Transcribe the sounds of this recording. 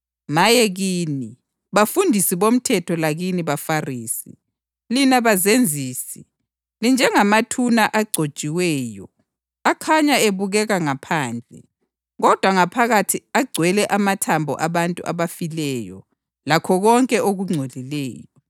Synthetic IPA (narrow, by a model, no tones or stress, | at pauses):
majɛɣiːni | βafundʱisiβom̩tʰɛtʰɔlaɣiniβafariːsḭ | linaβazend͡zʱiːsi | lind͡ʒʱɛŋamatʰunaʔaɡ͡ǀʱo̥t͡ʃʼiwɛːjɔ | akʰaɲaeβuɣɛɣaŋapʰaːnd͡ɮʱɛ | ɣɔd̥ʱwaŋapʰaɣatʰiaɡ͡ǀʱwɛlɛʔamatʰambʱɔ̰ʔaβantʼṵʔa̰βafilɛːjɔ̰ | lakʰɔɣɔŋkʼɛʔoɣuŋ͡ǀʱolilɛːjɔ